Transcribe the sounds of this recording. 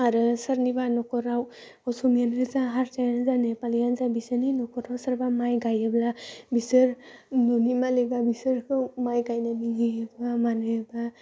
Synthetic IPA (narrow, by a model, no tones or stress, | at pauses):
aɾɯsəɾnibanɔkɔɾaw | ɔsumijankɯzaɦaɾtajanzanepalijanzabisəninɔkɔɾawsəɾbamajɡajeblabisəɾnunimaleɡabisəɾkɯmajɡajnaniŋiebamanɯjeba